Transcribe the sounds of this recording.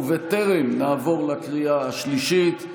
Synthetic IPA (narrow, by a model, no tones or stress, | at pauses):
vet̪eʁemnaːvo̞ʁlakʁiaaʃliʃit̪